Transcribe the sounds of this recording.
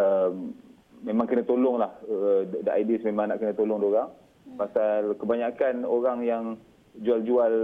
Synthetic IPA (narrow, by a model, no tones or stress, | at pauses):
əmː | ẽmãŋkənə̃t̪olʊŋlahdaʔajdismemãŋnaʔkənət̪olʊŋdoɾaŋ | pasalkəbaɲakanoɾaŋjaŋ | d͡ʒuald͡ʒual